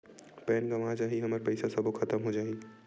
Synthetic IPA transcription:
pɛːnɡəmãd͡ʒaːɦiɦəməɾpəɪsasəbʱokʰət̪əmɦod͡ʒaːɦi

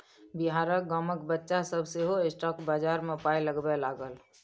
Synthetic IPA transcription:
biɦaːɾək̚ɡəməkbətːʃasəbʱseɦoesʈɔːkbaːd͡ʒaːɾmepaːjləɡbelaːɡəl

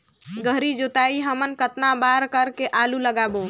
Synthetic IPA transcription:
ɡʱəɦɾid͡ʒot̪aiɦəmənkət̪nabaɾkəɾkeʔaluləɡabo

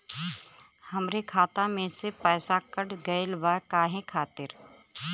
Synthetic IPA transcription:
hɐmɾekʰaːt̪amẽsepɛːsakəɽɡɐɪlbaːkaːɦẽkʰaːt̪ɪɾ

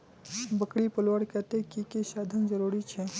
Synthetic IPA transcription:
bəkɽipəlwəɽkɛɦt̪eɦkikesaːd̪ʱənzəɾuːɾit͡ʃʰɛ

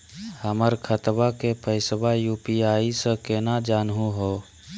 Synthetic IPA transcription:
həməɾkʰət̪bakepʰəɪsbajuːpiaːisəkeːnad͡ʒaːnɦuɦoː

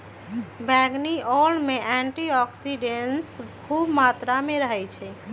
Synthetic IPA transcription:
bɛɡniɔlmeʔɛɳʈiɔksiɖenskʰubmat̪ɾameɾəɦɛjt͡ʃʰɛ

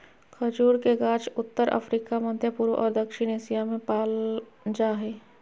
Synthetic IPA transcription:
kʰəd͡ʒuːɾkeɡaːt͡ʃʊt̪ːəɾʔə̰fʰɾiːkamə̃d̪ʱjəpuːɾʔɔːɾd̪ɐkʃɪñeːsijamẽpaːl | d͡ʒaːɦɛː

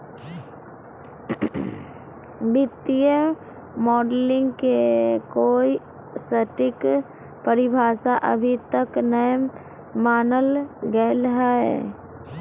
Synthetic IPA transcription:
bɪt̪ijə | mɔːɖlɪ̃ŋɡkekoːi | səʈɪk | pəɾɪbʱaːsaʔə̰bʱit̪əknəj | maːnəlɡəelɦae

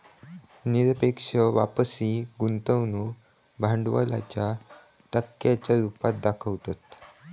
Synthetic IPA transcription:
niɾəpekʂəʋa̰pəsiːɡunt̪əʋnu | bʱaɳɖʋə̰la̰t͡ɕja | ʈəkːjat͡ɕjaɾupat̪̚d̪akʰəʋt̪at̪

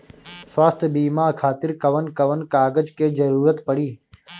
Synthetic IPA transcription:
swaːst̪ʰbiːmaːkʰaːt̪ɪɾkɐʋənkəʋənkaːɡəd͡ʒkeːzəɾuːɾət̪pəɽiː

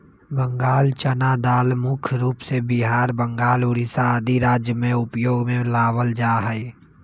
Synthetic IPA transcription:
bə̃ŋɡaːlt͡ʃənad̪aːlmʊkʰɾuːpsebɪɦaːɾbə̃ŋɡaːlʊɽɪsaəd̪iɾaːd͡ʒjəmẽʊpjoːɡmẽlaːwəld͡ʒaːɦəe

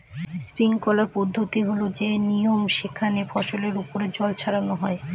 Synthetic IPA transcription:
spɾiŋkɔlaɾpɔd̪ʱːot̪iɦolod͡ʑenijomʃikʰːanefʰɔʃoleɾupoɾed͡ʑɔlt͡ɕʰaɾanoɦɔe

